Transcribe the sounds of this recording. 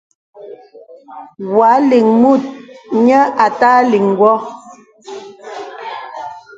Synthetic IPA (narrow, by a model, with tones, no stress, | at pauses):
wwa˨˦li˨ŋmu˦˨t̚ɲə˦a˨taː˦li˨ŋ˨ɡwɔ˦